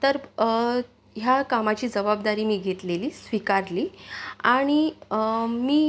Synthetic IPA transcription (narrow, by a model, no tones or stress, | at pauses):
t̪əɾ | ɦjakamat͡ɕiːd͡zəbab̚d̪aɾiːmiːɡʱet̪leliːsʋikaɾliːaɽ̃i | miː